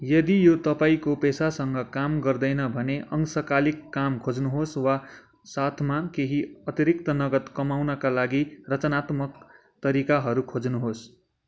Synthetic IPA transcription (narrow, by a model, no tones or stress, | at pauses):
jʌd̪ijot̪ʌpaikopesasʌŋɡʌkamɡʌrd̪ʌjnʌbʱʌneʔʌŋsʌkalikːamkʰod͡znuɦoswa | sat̪ʰmakeɦiʌt̪iɾik̚t̪ʌnʌɡʌt̪kʌmawnʌkalaɡirʌt͡sʌnat̪mʌk | t̪ʌɾikaɦʌɾukʰod͡znuɦos